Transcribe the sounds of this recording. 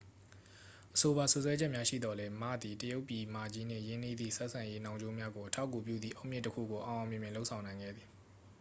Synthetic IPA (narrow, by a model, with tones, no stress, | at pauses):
ʔəso˨ba˨sʊ˨ʔswɛ˦d͡ʑɛ˦ʔmja˦ʃḭ˦˨d̪ɔ˨lɛ˦ma̰˦˨d̪i˨təjo˦ʊpːji˨ma˨d͡ʑi˦n̥ɪ̰̃˦˨jẽ˦nḭ˦˨d̪ðḭ˦˨sɛ˦ʔsʰã˨je˦nã˨ʊ̃ɲo˦mja˦ɡo˨ʔətʰa˦ʊkːu˨p̬jṵ˦d̪ðḭ˦˨ʔo˦ʊʔmjɪ̃˦˨təkʰṵ˦˨ɡo˨ʔã˨ʔã˨mjɪ̃˨mjɪ̃˨lo˦ʊʔsʰã˨ʊ̃nã˨ɪ̃ŋɡɛ̰˦˨d̪ði˨